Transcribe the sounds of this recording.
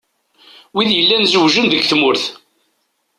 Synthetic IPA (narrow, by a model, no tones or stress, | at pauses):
wiðjəlːænzəwʒənðəɡθmʊɾθ